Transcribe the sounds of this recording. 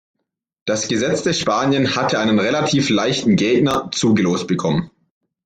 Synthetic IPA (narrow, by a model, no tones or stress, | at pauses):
d̥asɡ̥əzɛt͡sd̥ɛʃpaːnjənhatʰəʔaɪnənʁelatʰiːflaɪçtn̩ɡeːɡnɐt͡suːɡəloːst̚b̥əkʰɔmən